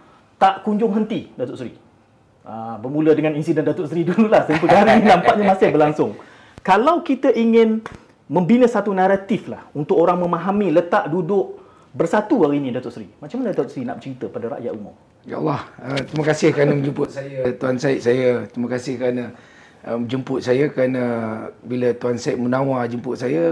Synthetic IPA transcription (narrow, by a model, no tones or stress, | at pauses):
t̪aʔkuɲd͡ʒʊŋɦənt̪idat̪ʊʔsɾi | ʔəbərmulədəŋaninsidəndat̪ʊʔsɾidululahsəmpəɡaɾinampaʔɲamasɪhbərlaŋsʊŋ | kalawkit̪əʔiŋɪn | mə̃mbinəsat̪unaɾat̪ɪflahunt̪ʊʔkoɾaŋmə̃mãɦamĩlət̪aʔdudʊʔ | bərsat̪uaɾinĩdat̪ʊʔsəɾimat͡ʃamanədat̪ʊʔsɾinaʔbət͡ʃɾit̪əpadaɾa̰ʔja̰ʔumʊ̰r | ja̰ʔlːɑhət̪ɾiməkasɪhkɾanəməd͡ʒumpʊt̪̚sajət̪uansaɪʔ̪̚sajət̪ɾiməkasɪhkəɾana | əmd͡ʒəmpʊt̪̚sajəkɾanəbilət̪uansaɪʔ̪̚munawad͡ʒəmpʊt̪̚sajə